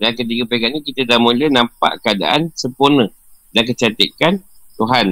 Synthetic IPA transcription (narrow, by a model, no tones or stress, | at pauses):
dank̬ət̪̬iɡəpakaʔɲĩkit̪ədamulənampa̰ʔkəada̰ʔansəmpurnə | dank̬ət͡ʃat̪ikant̪uɦan